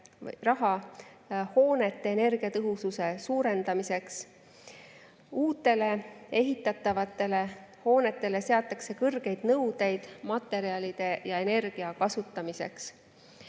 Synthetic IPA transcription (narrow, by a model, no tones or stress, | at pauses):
rɑɦɑ | ho̞ːne̞t̪ːe̞ːne̞rɡ̥iɑt̪ɤɦususe̞suːɾe̞nd̪̥ɑmise̞ks | uːt̪ːˑe̞le̞e̞ɦit̪ːˑɑt̪ːˑɑvɑt̪ːˑe̞le̞ho̞ːne̞t̪ːˑe̞le̞se̞ɑt̪ˑːɑkse̞kɤrɡ̥e̞jd̪̥nɤwd̪e̞jd̪̥mɑt̪ːˑe̞ɾiɑlid̪̥e̞jɑe̞ne̞rɡ̥iɑkɑsut̪ːˑɑmise̞̰ks